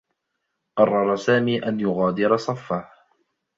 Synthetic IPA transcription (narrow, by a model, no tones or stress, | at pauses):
qɑrˤːɑɾˤɑsaːmiːʔanjʊɣaːd̪ɪɾɑsˤɑfːah